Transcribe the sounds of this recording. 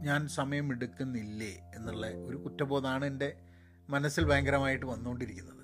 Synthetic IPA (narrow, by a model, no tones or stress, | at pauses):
ɲaːnsɐmɐjɐmeɽukːunːilːeenːuɭːeo̞ɾukutːɐbo̞ːðaːɳɨende̞ | mɐnɐsːilbɐjɐŋɡɐɾɐmaːjiʈːɨʋɐnːuoɳɖiɾikʲːunːɐðɨ